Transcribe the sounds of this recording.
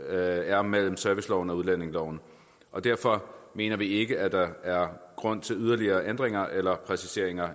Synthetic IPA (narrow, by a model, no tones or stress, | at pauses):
æɐmel̰m̩sœɐʋislɒʊn̩ɒ̽uð̞ˠlæn̰e̝ŋlɒʊ̰n̩ | ʔɒ̽d̥æɐ̰fɒ̽me̝̰ːnɐʋie̝ɡ̥əʔæd̥ɑ̈æɐɡ̥ʁɔ̽n̰t͡sʰe̝lyð̞ˠɐliɐːʔend̥ʁeŋɐʔelɐpʰʁɛsise̝ɐ̰e̝ŋɐ